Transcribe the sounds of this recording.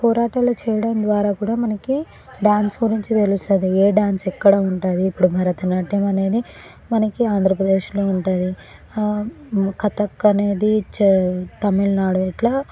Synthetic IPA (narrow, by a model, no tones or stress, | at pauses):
pɔːɾaːʈɐlut͡ʃɛːjɐɽɐnd̪ʋaːɾaːkuːɽaːmɐnɐki | ɖaːnsɡuɾiɲt͡ʃit̪elust̪ɐd̪ieːɖaːnsɛkːɐɽaːuɳʈaːd̪iːpːuɽubʱɐɾɐt̪ɐnaːʈemɐne̞ːd̪i | mɐnɐkiaːnd̪ʱɾɐpɾɐd̪e̞ːʃlo̞ːuɳʈaːd̪i | kɐt̪ɐkːɐne̞ːd̪it͡ʃt̪ɐmilnaːɽuiʈlaː